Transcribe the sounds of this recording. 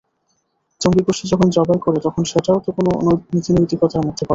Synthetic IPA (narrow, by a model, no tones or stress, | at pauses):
t͡ɕoŋɡiɡoʃid͡ʑɔkʰond͡ʑɔbaekoɾet̪ɔkʰonʃeʈaot̪okononit̪inojt̪ikɔt̪amod̪ʱːekɔɾe